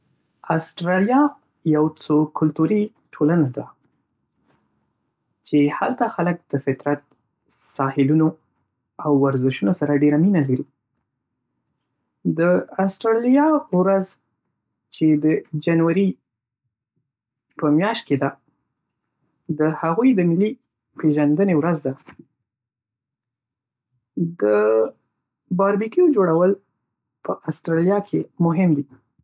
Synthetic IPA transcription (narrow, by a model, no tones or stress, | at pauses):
ɑsʈɾɑlijɑ | jawt͡sokʰʊlt̪uɾi | ʈʰolanad̪a | t͡ʃehalt̪axalək̚d̪̥əfɪt̪ɾat̪̚ | sɑhɪluno | awːaɾzɪʃunosaɾaɖeɾaminalaɾi | d̪əasʈɾɑlijɑwɾaz | t͡ʃed̪əd͡ʒanwaɾi | pəmjɑʃt̪̚ked̪a | d̪əhaɣujd̪əmɪli | peʒand̪ənewɾazd̪a | d̪ə | bɑɾbikijod͡ʒoɽawəl | pəʔasʈɾɑljɑkʰemʊɦɪmd̪i